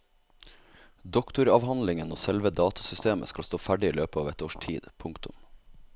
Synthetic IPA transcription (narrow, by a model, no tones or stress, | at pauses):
d̪ɔkt̪ʊɾɑʋhɑnlɪŋənoːsɛlʋəd̪ɑːt̪ʰɑ̥sʏst̪eːmə̰skɑlst̪oːfæɖɪiːløːpəɑːʋɛt̪oːʃʈʰḭːd̪pʰʊŋkt̪ʊ̰m